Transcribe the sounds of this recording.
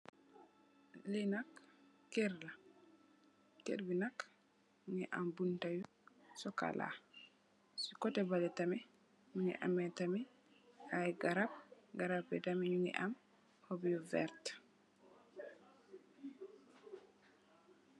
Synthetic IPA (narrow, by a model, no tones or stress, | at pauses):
linakː | ɛɾla | kḛɾbinak | nɛʔambuntaju | sɔka̰la̰ | sikɔtɛbalɛtamɛ | ɲunɛ̰ʔamːɛtamɛ | ajɡaɾab̚ɡaɾabɛdamiɲunɛ̰ʔam | hobijɔvɛ̰ɾt